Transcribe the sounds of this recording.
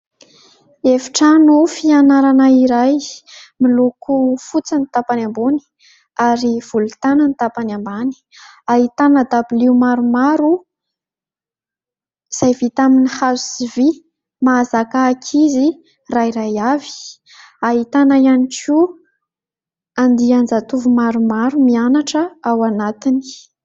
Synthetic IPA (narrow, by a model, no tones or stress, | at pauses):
evi̥ʈ͡ʂanufianaɾanaiɾajmilukʰufut͡sanit̪apanambuni̥ | aɾiv̥ulut̪anənit̪apanambani̥ | aɦit̪anəd̪abiliumaɾumaɾu | z̥ajvit̪aminihazusivi | mazakaːkʰizi | raiɾajavi̥ | aɦit̪anajaniku | and̪iand͡zat̪uvumaɾumaɾumianaʈ͡ʂəawanat̪ini̥